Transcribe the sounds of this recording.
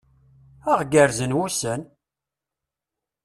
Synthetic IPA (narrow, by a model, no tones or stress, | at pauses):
əʁɡəɾzənwusən